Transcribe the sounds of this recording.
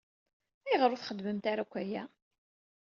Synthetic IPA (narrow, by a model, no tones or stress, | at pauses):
æjʁəɾʊθχəd̪ːməmt̪aɾækʷːæjæ